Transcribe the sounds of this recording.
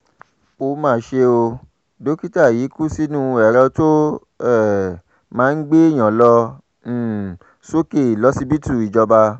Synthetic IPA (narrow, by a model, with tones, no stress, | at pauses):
o˧mãː˧˨ʃe˧o˧ | do˨˦ki˦ta˦˨jiː˨˦ku˦si˦nũ˦˧ɛ˨ɾɛ˧to˦ | ɛ˦˨ | mãː˨˦n̩˦ɡ͡be˦i˦˨j̃ã˨lɔ̃˧˦˨ | so˦ke˦˨i˨lɔ˨˦si˧bi˦tu˦˨i˨d͡ʒɔ˧ba˧